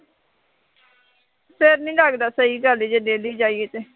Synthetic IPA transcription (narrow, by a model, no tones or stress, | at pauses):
pʰɪɾnĩːlaɡd̪aːsəiːɡəliːd͡ʒeːneːliːd͡ʒaːiːeːt̪eː